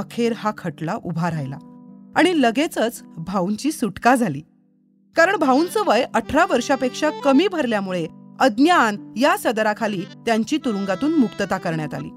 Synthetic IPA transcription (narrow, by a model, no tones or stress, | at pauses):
əkʰeɾhakʰəʈlaʔubʱaɾajla̰aɽ̃iləɡet͡sət͡sbʱauɲt͡ɕiːsuʈkad͡zʱaliː | kaɾəɳbʱaunt͡səʋəjʔəʈʰɾaʋəɾʂapekʂakəmiːbʱəɾljamuɭeəd̪njanjasəd̪ɾakʰaliːt̪jaɲt͡ɕiːt̪uɾuŋɡat̪uːnmukt̪ət̪akəɾɳjat̪a̰lḭː